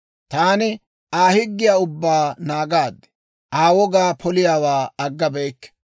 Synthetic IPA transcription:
t̪aːnɪ | aːhɪɡːɪjaːʊbːaːnaːɡaːd̪ːɛ̥ | ʔaːwɔɡaːpʰɔlɪjaːwaːɐɡːɐbɛjkːɛ̥

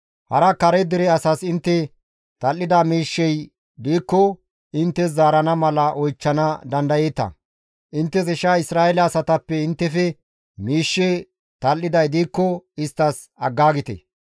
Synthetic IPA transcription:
hɐɾɐkɐɾɛd̪ɪɾɛɐsɐsɪnt̪ːɛ | t̪ɐlːɪd̪amiːʃːɛj | d̪iːkːɔ | ɪnt̪ːɛszaːɾɐnɐmɐlɐʔɔjt͡ʃːɐnɐd̪ɐnd̪ɐjeːt̪ɐ̰ | ʔɪnt̪ːɛs̬ɪʃaːɪsɾaːɛlɐːsɐt̪ɐpːɛɪnt̪ːɛfɛ | miːʃːɛ | t̪ɐlːɪd̪ɐjd̪iːkːɔɪst̪ːɐs | ɐɡːaːɡɪt̪ɛ̰

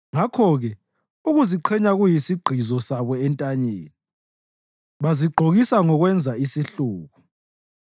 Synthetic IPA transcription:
ŋakʰɔɣɛ | uɣuziǃʰɛɲaɣujisiɡ͡ǃʱizɔsaβɔɛntʼaɲeːni | βaziɡ͡ǃʱoɣisaŋɔɣwɛnd͡zʱaisiɬuːɣu

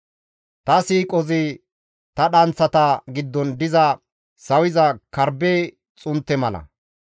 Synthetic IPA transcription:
t̪ɐsiːkʼɔzɪ | t̪ɐɗɐnt͡sːɐt̪ɐɡɪd̪ːɔnd̪ɪzɐ | sɐwɪzɐkɐɾbeː | t͡sʼʊnt̪ːɛmɐlɐ̰

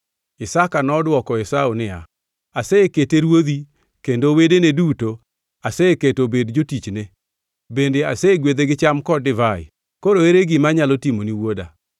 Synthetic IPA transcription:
ɪsakanɔdwɔkɔɪsaunɪa̰ | aseeketeɾwod̪i | kendowedeneduto | aseeketobedd͡ʒotit͡ʃne | bendeaseɡwed̪eɡɪt͡ʃamkɔdɪvaɪ̰ | koɾoeɾeɡɪmaɲalotimoniwoda

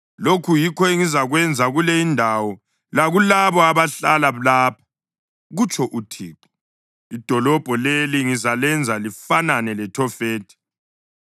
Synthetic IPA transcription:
lokʰujikʰɔeŋizaɣwɛnd͡zʱaɣulɛjindʱawɔ | laɣulaβɔaβaɬalalaːpʰḁ | ɣut͡ʃʰʼɔʔutʰḭːǃɔ̥ | id̥ʱɔlɔb̥ʱɔleliŋizalɛnd͡zʱalifananɛlɛtʰɔfeːtʰʼi̥

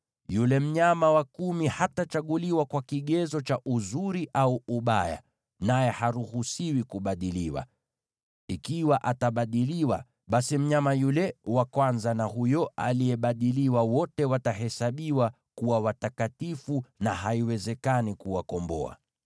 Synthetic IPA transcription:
julɛm̩ɲamawakumihatat͡ʃaɠuliwakwakiɠɛzɔt͡ʃaʔuzuɾiʔauuɓaja̰ | najɛhaɾuhusiwikuɓaɗiliwa̰ | ikiwaʔataɓaɗiliwa̰ | ɓasim̩ɲamajulɛwakwanzanaɦujɔa̰lijɛɓaɗiliwawɔtɛwataɦɛsaɓiwa | kuwawatakatifunaɦaiwɛzɛkanikuwakɔmbɔ̰a̰

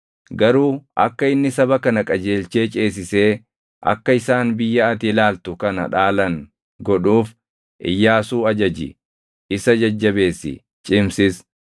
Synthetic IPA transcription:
ɡɐɾuːʔɐ̰kːɐɪnːɪsɐbɐkɐnɐkʼɐd͡ʒe̞ːlt͡ʃe̞ːt͡ʃʼe̞ːs̬ɪse̞ː | ʔɐ̰kːɐɪsaːnbɪjːɐɐt̪ɪlaːlt̪ʊkɐnɐ̰ᶑaːlɐŋ | ɡɔᶑuːf | ʔɪ̰jːaːsuːɐd͡ʒɐd͡ʒɪ̰ | ɪsɐd͡ʒɐd͡ʒːɐbe̞ːsːɪ̰ | t͡ʃʼɪmsɪs

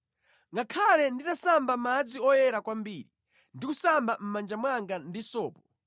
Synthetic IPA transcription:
ŋɡakʰalɛnditasambamad͡ziɔjɛɾakwambiːɾi | ndikusambam̩mand͡ʒamwaŋɡandisɔːpɔ

